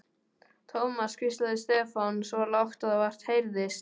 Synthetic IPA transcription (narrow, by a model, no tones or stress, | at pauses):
t̪ʰowmaskʰvɪst̪laðɪst̪ɛːfansvɔlawxt̪aðavar̥t̪hejɾðɪs